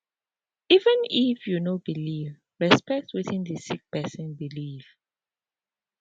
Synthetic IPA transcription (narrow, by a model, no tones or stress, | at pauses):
ivɛ̃nifjunobiliv | ɹɛspɛk̚twiθĩndəsik̚pɛsɔ̃nbiliv̥